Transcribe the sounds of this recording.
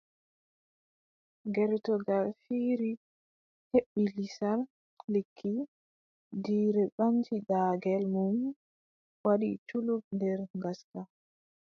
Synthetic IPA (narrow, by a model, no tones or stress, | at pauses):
ɡɛɾtɔɡalfiɾi | heɓːilisal | lekʰːi | diːɾɛɓant͡ʃidaːɡɛlmum | waɗḭt͡ʃulub̚ndɛɾŋɡasta